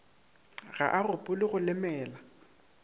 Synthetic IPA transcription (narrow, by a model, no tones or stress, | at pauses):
ɣa̰ʔarʊpʼʊlɪɣʊlɪmɛːla